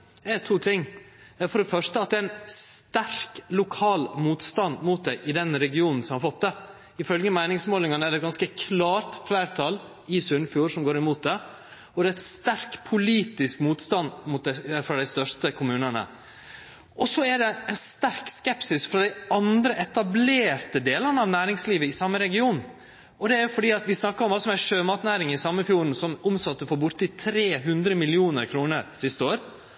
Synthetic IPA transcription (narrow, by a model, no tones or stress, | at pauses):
ɛt̪ʰuːt̪ʰɪŋː | fɔɖɛfœʂʈəɑt̪d̪ɛːɾɪnst̪æɾklʊkʰɑːlmuːt̪st̪ɑnmuːt̪̚d̪æɪʔɪd̪ɛnɾɛɡɪuːnn̩sɔmhɑɾfɔt̪̚d̪ɛ | ɪfœlɡəmæɪnɪŋsmoːlɪŋɑnəæɖɛt̪̚ɡɑnskəkʰlɑːɾt̪flæɪɾt̪ʰɑl | ɪsʉnfjuːɾsɔmɡoːɾɪmuːt̪̚d̪ɛ | ɔd̪ɛæt̪st̪æɾkpʰʊliːt̪ɪskmuːt̪st̪ɑnmʊːt̪̚d̪ɛfɾɑd̪æɪst̪œʂt̪əkʰʊmʉːnənə̰ | ʔɔsɔæɖɛɛnst̪æɾkskɛpsɪsfɾɑd̪æɪɑnd̪ɾəʔɛt̪ɑbleːɾt̪əd̪eːlənəɑʋnæːɾɪŋsliːʋəɪsɑmːəɾɛɡɪuːn | ʔɔd̪ɛæɾjʊfɔɖiːɑt̪ʋɪsnɑkːəɾɔmɑləsɔmæʂøːmɑːt̪næːɾɪŋɪsɑmːəfjuːɾn̩sɔmʔɔmsɑt̪ːəfɔɾbʊɾt̪ɪt̪ʰɾeːɦʉnd̪ɾəmɪlɪuːnəɾkʰɾuːnəɾsɪst̪əoːɾ